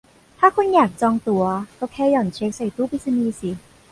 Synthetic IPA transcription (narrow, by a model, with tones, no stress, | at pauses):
t̪ʰaː˥˩kʰo˧njaː˨˩k̚t͡ɕɔː˧ŋt̪u˧˩˦ɐkɔː˥˩wkʰɛː˧˩jɔː˨˩nt͡ɕʰe˦˥k̚sa˨˩jt̪uː˥˩pi˧˥t̚sa˧niː˧si˨˦